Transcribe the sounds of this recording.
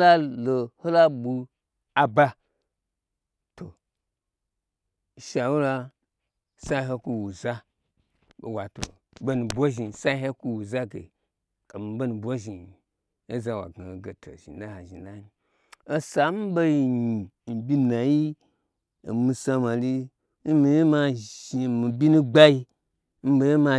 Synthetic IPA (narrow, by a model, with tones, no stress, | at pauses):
la˦lo˨ho˦la˦bu˧ | a˨ba˧ | to˨ | ʃa˨wu˦la˧ | sa˦ɦe˧˦ku˧wu˨za˦ | bo̰˨wa˨to̰˨ | bo˦nu˨bʷo˦ʒi˧˨sa˦ɦe˦ku˦wu˨za˦ɡḛ˨ | ka˨mi˨˦bo˦nu˨bʷo˦ʒi˨ | e˦za˧wa̰˨ɡa˨ɡe˨tʰo̰˨ʒḭ˨n˦da˦ha˨ʒi˨n˦da˦mi˨ | o˦sa˨m̩˦bo˦ji˧ɲi˨ | m̩˨bʲi˦na˨ji˦ | e˨mu˧sa˧ma˨li˦ | n̩˦mi˨je˦ma˧i˨mi˨bʲi˦nũ˦ɡ͡ba˦ji˧ | m̩˦bo˧je˦ma˧